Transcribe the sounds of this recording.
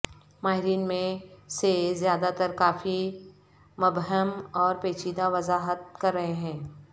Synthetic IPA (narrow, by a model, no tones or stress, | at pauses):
maːɦɪɾiːnmẽsezjaːd̪at̪əɾkaːfi | mɐbɦəmɔːɾpeːt͡ʃiːd̪aʋɐzaːɦət̪̚kɐɾːɐɦeɦɛ̃ː